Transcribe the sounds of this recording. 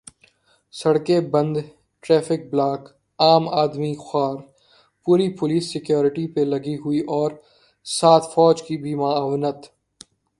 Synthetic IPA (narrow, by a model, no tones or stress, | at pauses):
sɐɽkebɐ̃nd̪ | ʈɾɛːfɪk̚blaːk | aːmaːd̪mixaːɾ | puːɾipʊliːsːɪkjoːɾɪʈipelɐɡiɦʊiʔɔːɾ | saːt̪ʰfɔːd͡ʒkibʱimaːaːwnət̪